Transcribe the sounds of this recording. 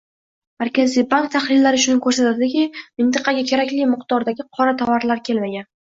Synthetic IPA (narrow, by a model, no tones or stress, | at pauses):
maɾkʲʰazijbaŋk̚t̪ʰaχlɪlːaɾɪʃʊnɪkʰɵɾsat̪ad̪ɪkʲɪmɪnt̪ɨqʰɑɡʲakʲʰe̞ɾakʲlɪmɪqt̪ɒɾd̪aɡʲɪqʰɒɾat̪ʰavaɾlaɾkʲʰe̞lmaɡʲan